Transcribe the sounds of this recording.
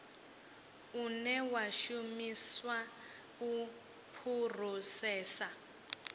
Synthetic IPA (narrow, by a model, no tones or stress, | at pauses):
unɛwaʃumiswa | u | pʰur̤usɛːsa